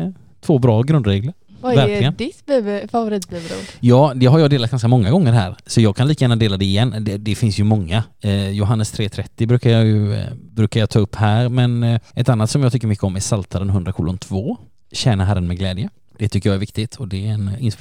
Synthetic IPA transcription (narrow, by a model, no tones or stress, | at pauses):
t̪ʰv̥oːbɾɑːɡɾɵnd̪ɾeːɡləɾ | vavæɾlɪɡənd̪ɪt̪bøvfavʊɾiːt̪bɛvɾṵd̪jɑːd̪ɛɦaɾjɑd̪eːlat̪̚ɡankamɔŋːaɡɔŋːəɾɦæːɾsɔjɑːɡkʰanliːkajæːnad̪eːlad̪ɛɪjɛnːd̪ɛd̪ɛfɪnsjɵmɔŋːajʊɦanːəst̪ʰɾeːt̪ʰɾɛt̪ːɪbɾʉ̟ːkajɑjɵbɾʉ̟ːkajɑt̪ʰɑːɵpːhæːɾmɛnʔɛt̪anːat̪sɔmjɑɡt̪ʏkːəɾmʏkːəɔmæɾsalt̪ʰaɾənɦɵnd̪ɾakʰṵːlʊnt̪ʰvoː | ɕɛːnaɦæɾːənmɛɡlɛːd̪jə | d̪̥ɛt̪ʰʏkːəɾjɑæɾvɪk̚t̪ɪt̪ʰɔd̪ɛɛnɪns